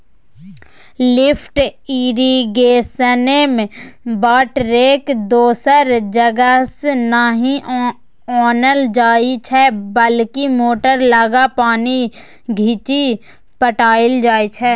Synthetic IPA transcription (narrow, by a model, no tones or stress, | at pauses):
lɪpʰʈiːɾiɡeːsənemẽbaːʈɾeːkd̪oːsəɾd͡ʒəɡəsnaɦĩ | ɔːnəld͡ʒaːit͡ʃʰɛːbəlkimoːʈəɾlaːɡapaːni | ɡʱiːt͡ʃi | pəʈaːɪld͡ʒaːit͡ʃʰɛː